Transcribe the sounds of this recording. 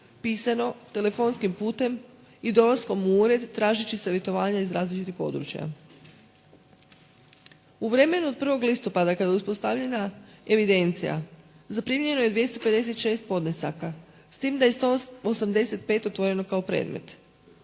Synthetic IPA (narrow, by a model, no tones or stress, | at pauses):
piːsano̞t̪e̞le̞fo̞nskimpuːt̪e̞m | id̪o̞lˠasko̞muuːɾe̞d̪ːɾaːʒit͡ɕiseʋjet̪o̞ʋaːɲaizɾaːzlit͡ʃit̪ixpo̞̰d̪ɾṵt͡ɕja̰ | uʋɾe̞me̞nuo̞d̪̚pr̩ʋo̞ɡlist̪o̞pad̪akad̪ajuspo̞st̪aʋʎe̞nae̞ʋid̪e̞nt̪sḭja̰ | zapɾimiɲe̞no̞jed̪ʋje̞st̪o̞pe̞d̪e̞s̬e̞t̪ʃe̞ːst̪̚po̞d̪nesa̰ka | st̪iːmd̪ajest̪oosamd̪e̞se̞t̪̚pe̞ːt̪o̞t̪ʋo̞ɾeno̞kao̞pɾḛːd̪me̞̰t̪